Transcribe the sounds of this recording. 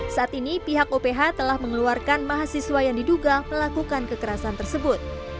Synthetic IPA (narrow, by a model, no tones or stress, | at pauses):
saʔat̪inipiɦak̚opeɦat̪əlahməŋəluarkanmaɦasiswajaŋdiduɡaməlakukankəkəɾasant̪ərsəbʊt̪̚